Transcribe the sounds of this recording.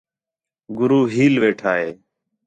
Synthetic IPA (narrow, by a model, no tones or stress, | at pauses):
ɡʊɾuːɦiːlʋeːʈʰaːɦeː